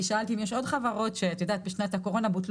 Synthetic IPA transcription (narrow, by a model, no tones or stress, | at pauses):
iʃaalt̪imjeʃo̞d̪χavaʁo̞tʃeat̪jod̪aːt̪̚beʃnat̪hako̞ʁo̞nabut̪l